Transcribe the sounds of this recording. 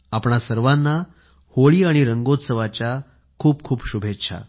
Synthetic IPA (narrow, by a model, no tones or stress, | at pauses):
apɳasəɾʋãnːa | hoɭiːaɽ̃iɾəŋɡot̪səʋat͡ɕja | kʰuːpkʰuːpɕubʱetːɕʰa̰